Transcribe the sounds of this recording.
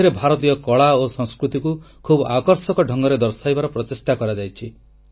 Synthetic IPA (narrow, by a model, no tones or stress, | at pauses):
iɾebʱaɾɔt̪ijɔkɔɭaosɔŋskɾut̪iku | kʰubakɔɾsɔkɔɖʱɔŋɡɔɾed̪ɔɾsajbaɾɔpɾɔt̪esʈakɔɾad͡ʒajt͡ʃʰi